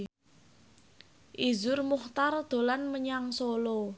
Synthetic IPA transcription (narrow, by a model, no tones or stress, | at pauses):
ʔizʊrmuht̪ard̪̥o̤lanməɲaŋsolo